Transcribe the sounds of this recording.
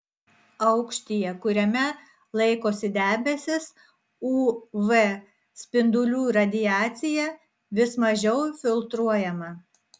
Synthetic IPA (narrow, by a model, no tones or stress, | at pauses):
ɐʊkʃʲt̪ʲɪjɛkʊɾʲɛmʲɛ | lˠɐɪkoːsʲɪd̪ʲæːbʲɛsʲɪs | uːʋɛ | sʲpʲɪnd̪ʊlʲuːɾɐd̪ʲɪjæːt̪sʲɪjɛ | ʋʲɪsmɐʒʲɛʊfʲɪlˠt̪ɾuɔjɛmɐ